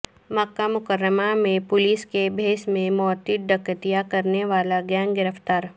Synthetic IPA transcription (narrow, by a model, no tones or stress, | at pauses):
mɐkːamʊkəɾːəmamẽpʊliskebʱeːsmẽmɔːt̪ɪʈ̪̚ɖɐkət̪ijakɐɾneʋaːlaɡjɛːnɡɪɾəft̪aːɾ